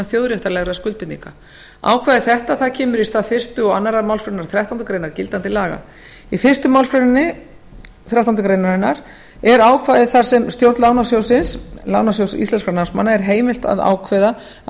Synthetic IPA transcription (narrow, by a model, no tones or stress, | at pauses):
aθjowðɾjɛht̪aɾlɛɣɾðskʏl̚pɪt̪nḭŋka | a̰ːwkʰvaːjðɪθɛht̪aθaðcʰɛːmʏɾist̪afɪr̥st̪ʏɔɣa̰nːaɾaɾmawlfɾʏɾɪnaɾ̥θɾjawht̪awnt̪ʏkɾejnaɾcɪlt̪ant̪ɪlaːɣa̰ | ifɪr̥st̪ʏmawlskɾenɪnːɪ | θɾjawt̪awnt̪ʏkɾejnaɾɪnːaɾ̥ | ɛɾaːwkʰvaːjðɪθḁsɛmst̪jowɾt̪laːwnasjowsɪnsla̰ːwnas̬jowsḭst̪ɛnskaɾnansmanːaɛɾɦeːjmɪlt̪a̰ða̰ːwkʰvɛða